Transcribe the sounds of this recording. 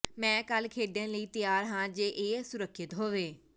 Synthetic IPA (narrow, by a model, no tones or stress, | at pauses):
mɛ̃ːkəlkʰeːɖjə̃ːləiːt̪ɪjaːɾɦãːd͡ʒeːʔeːsʊɾəkʰːʃɪt̪ɦoːʋeː